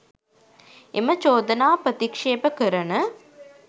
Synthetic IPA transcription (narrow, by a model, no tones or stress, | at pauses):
emət͡ʃoːd̪ɐnaːpɾɐt̪ikʂeːpəkəɾɐnə